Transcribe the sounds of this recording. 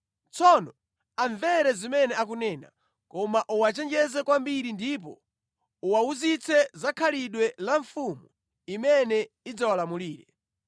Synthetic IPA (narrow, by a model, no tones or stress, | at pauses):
t͡sɔnɔ | aɱvɛɾɛzimɛnɛak̬unɛːna̰ | kɔmaʔuwat͡ʃɛnd͡ʒɛzɛkwambiɾindip̬ɔ̰ | uwauzit͡sʰɛzakʰaliɗwɛlaɱfumu | imɛnɛ | id͡zawalamuliːɾɛ